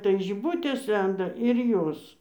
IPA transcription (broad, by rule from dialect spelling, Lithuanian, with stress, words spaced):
tɐɪ ʒʲɪˈbʊtʲeːs ˈlʲɛndɐ ɪr ˈjoːs